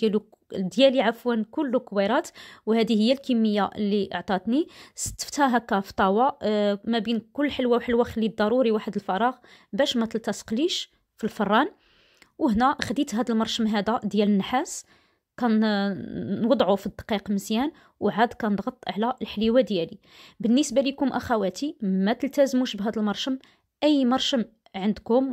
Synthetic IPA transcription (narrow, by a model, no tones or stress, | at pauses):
jælu | d̪jæliʕafwænkʊlːkwæɾˤɑt̪whæd̪ihəjːælkimːəjːaʔlːiʔəʕt̪ˤɑt̪nisə̥t̪ːə̥ft̪hæɦækːæft̪ˤɑwɑmæbinkʊlːħəlwæwħəlwæxəlid̪ˤːɑɾuɾiwaħəd̪əlfɑɾˤɑɣ | bæʃmæt̪əlt̪æsə̥qliʃ | filfɑrˤːɑn | wəɦnæxd̪it̪ɦæd̪əlmɑɾˤʃəmɦæd̪æd̪jælənːħas | kænː | wɑd̪ˤʕufid̪ːqiqməzjæn | wʕad̪kænəd̪ɣɑt̪ˤːʕlæʔəlħliwæd̪jæli | bənːisbalikʊmʔæxæwæt̪imæt̪əlt̪æzmuʃbɦæd̪əlmɑɾˤʃəm | ʔəjːmɑɾˤʃəm | ʕənd̪kʊm